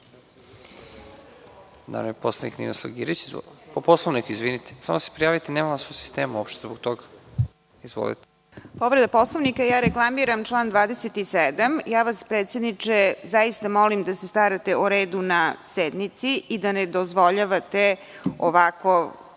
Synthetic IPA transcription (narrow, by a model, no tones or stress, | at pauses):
d̪a̰nojeposlonḭknḭnoslˠa̰ɡḭɾit͡ɕipoposlˠoʋnikizʋinit̪e̥samose̥pɾijaːʋit̪enemamasosi̥st̪eːmuopʃt̪ezbok̚t̪oɡḁ | izʋo̰lḭt̪e̥ | poʋɾed̪aposlˠoʋnikajaːɾeklˠamiɾamʈ͡ʂlˠaːnd̪ʋaːd̪eset̪ised̪amjaːʋaspɾeːt̪sjed̪nit͡ʂezajist̪amolimd̪asest̪aɾat̪euɾeːd̪unased̪nit̪siid̪aned̪ozʋoʎaʋat̪e | oʋako